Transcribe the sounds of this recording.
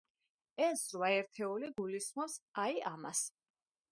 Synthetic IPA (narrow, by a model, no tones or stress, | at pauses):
ɛsɾwaɛɾt̪ʰɛuliɡulismɔsaiama̰s